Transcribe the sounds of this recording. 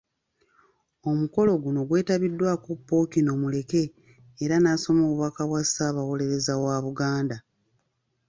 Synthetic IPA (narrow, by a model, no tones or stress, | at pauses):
o̞muko̞lo̞ɡuno̞ɡwe̞ːtaβidːwakupːo̞ːkino̞mule̞ke̞ː | ɾanaːso̞mo̞ːβuβakaβwasaːβawo̞le̞ɾe̞zawaːβuɡaːnda